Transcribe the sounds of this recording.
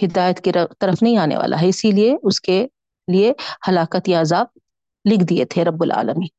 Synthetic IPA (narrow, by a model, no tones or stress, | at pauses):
hɪd̪aːjət̪kiɾɐt̪ɐɾəfnɐɦĩaːnḛʋa̰ːla̰ɦɛɪsilieʊske | liehɐlaːkət̪jaːzaːb̚ | lɪkʰd̪iḛt̪ʰeɾɐbːʊlʔa̰ːləmiː